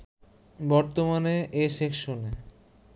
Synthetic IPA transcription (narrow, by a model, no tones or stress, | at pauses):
bɔɾt̪omaneʔeʃekʃone